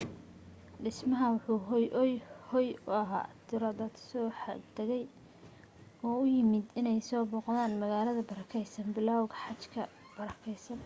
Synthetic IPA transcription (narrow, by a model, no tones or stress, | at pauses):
ɖɪsmɐɦɐwʊħuːɦjjhɔjʊɐɦa̰ːt̪ʰɪɾɐd̪ɐd̪sɔːħt̪ʰɛɣɛj | ɔːʊjɪmɪd̪ɪnɛjsɔːbɔːqðaːnmɐɣaːlɐðɐbɐɾɐkʰɛjsɐnbɪlaːwɣɐħɑt͡ʃkʰɐ̰ | b̥ɐɾɐkʰɛjsɐn